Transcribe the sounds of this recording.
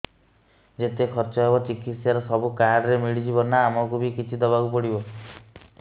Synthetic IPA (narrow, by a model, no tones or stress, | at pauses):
d͡ʒet̪ekʰɔɾt͡ʃɔɦebɔt͡ʃikit̪saɾɔsɔbukaɖɔɾemiɭid͡ʒibɔnaːmɔkubikit͡ʃʰid̪ɔβaɡupɔɽibɔ